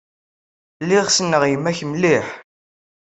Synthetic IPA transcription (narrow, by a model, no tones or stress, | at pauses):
liʁsənːəʁjəmːæçmliħ